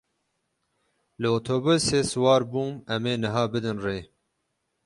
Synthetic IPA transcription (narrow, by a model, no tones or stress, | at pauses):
lɨoːt̪ʰoːbuseːsɨwɑːɾbuːmɛmeːnɨɦɑːbɨd̪ɨnreː